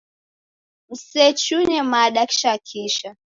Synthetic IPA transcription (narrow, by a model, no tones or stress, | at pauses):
m̩sɛt͡ʃunɛmaɗakʃakʰiʃa